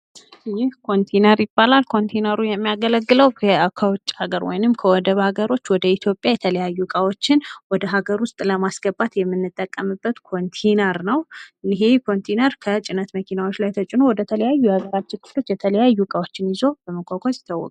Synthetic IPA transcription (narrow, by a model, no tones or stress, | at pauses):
jɪhkʰo̞nt̪ʰenəɾjɪbːalalkʰo̞nt̪ʰejnəɾujɛmːijaɡələɡːɨləwəkʰəwt͡ʃʼːhaɡəɾwɔ̰jnɨmkʰəwɔd̪əβhaɡəɾo̞t͡ʃːwɔd̪əit̪ʰjo̞pʼːjajɛt̪ʰələjajːukʼawo̞t͡ʃːɪnwɔd̪əɦaɡəɾwʊst̪ʼləmasɡəbːat̪jɛmːɨnːɨt̪ʼːəkʼːəmɨbːət̪kʰo̞nt̪ʰenəɾnəwɨniɦe̞kʰo̞nt̪ʰenəɾkʰət͡ʃʼɪnət̪məkʰinawot͡ʃːlajt̪ʰət͡ʃʼɪno̞wɔd̪ət̪ʰələjajːujhaɡəɾat͡ʃːɪnkʰɨ̥flo̞t͡ʃːjɛt̪ʰələjajːukʼawo̞t͡ʃːɪnɪzo̞b̥əməkʰʼokʰosɪ̥t̪ʰːawːɔ̰kʼ